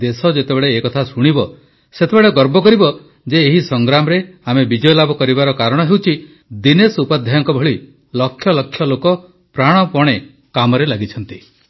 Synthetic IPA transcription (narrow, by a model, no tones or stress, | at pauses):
d̪esɔd͡ʒet̪ebeɭeːkɔt̪ʰasuɽ̃ibɔ | set̪ʰebeɭeɡɔɾbɔkɔɾibɔ | d͡ʒeːɦisɔŋɡɾamɔɾeamebid͡ʒɔjɔlabɔkɔɾibaɾɔkaɾɔɽ̃ɔɦewt͡ʃʰi | d̪inesupad̪ʱjajɔŋkɔbʱɔɭi | lɔkʰːjɔlɔkʰːjɔlokɔ | pɾaɽ̃ɔpɔɽ̃e | kamɔɾelaɡit͡ʃʰɔnt̪i